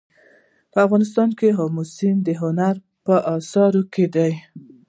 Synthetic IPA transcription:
pəafɣɑnɪs̬t̪ɑnkeɦɑmusind̪əɦʊnaɾ | pəʔɑsɑɾokʰed̪aj

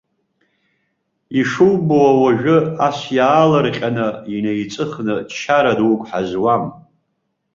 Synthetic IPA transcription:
iʂɨwboawaʒᶣɨasjaːlarqʲʼanɨinejt͡sʼɨχnɨt͡ʃʰaɾadwkʷʼħazwam

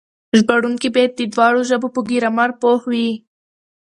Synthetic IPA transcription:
ʒbaɽuŋkibet̪̚d̪id̪wɑːɽoʒəbopəɡiɾamaɾpohwi

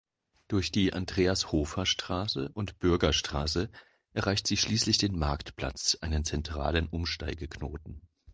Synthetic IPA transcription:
d̥ʊɐçd̥iːʔa̰ndʁeːashoːfɐʃtʁ̥aːsə̰ʔʊntb̥ʏɐɡɐʃtʁ̥aːsə | ʔɛɐʁaɪçtz̥iːʃliːslɪçd̥eːnmaɐktpl̥a̰t͡sʔaɪnənt͡sɛntʁ̥a̰ːlənʔʊmʃta̰ɪɡəkʰnoːtn̩

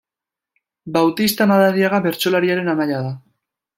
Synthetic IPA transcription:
bawt̪ist̪anaðaðiaɣaβe̞ɾt͡ʃo̞laɾiaɾe̞namaʎað̞a

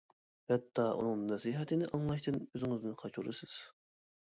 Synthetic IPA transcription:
hɛt̪ʰːɑːʔṵnɨŋnɛsiɦɛt̪ʰɨnɪʔɑŋlˠɑʃt̪ʰɨnøzɪŋɪznɨqʰɑt͡ʃuɾɨ̰sɨz̥

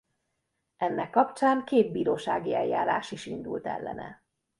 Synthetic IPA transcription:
ɛnːʔɛkːɒpt͡ʃaːŋkeːd̪̚biːɾoːʃaːɡiɛjjaːɾaːʃiʃind̪ult̪ɛ̰lːɛ̰nɛ̰

